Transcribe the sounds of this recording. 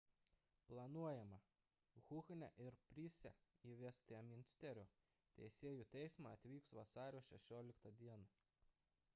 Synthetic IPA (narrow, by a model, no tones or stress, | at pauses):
plˠɐnuɔjɛmɐ | ɣʊxnʲɛʔɪɾpʲɾʲisʲɛ̰iːʋʲɛsʲt̪ʲɪɛmʲɪnʲsʲt̪ʲɛɾʲoː | t̪ʲɛ̰ɪsʲeːjuːˑt̪ʲɛɪsmɑɐt̪ʲʋʲiːksʋɐsɑːɾʲoːʃʲɛʃʲoːlʲɪkt̪ɐd̪ʲiɛnɐ